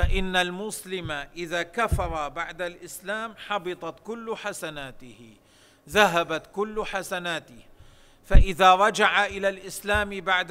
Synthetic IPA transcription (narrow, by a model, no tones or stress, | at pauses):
faʔɪnːalmʊslɪmaʔɪðaːkafɑɾˤɑbaʕd̪alʔɪslaːmħɑbɨt̪ˤɑt̪kʊlːħasanaːt̪ɪhɪ | ðaɦabat̪kʊlːħasanaːt̪ɪ | faʔɪðaɾˤɑd͡ʒaʕaʔɪlalʔɪslaːmbaʕd̪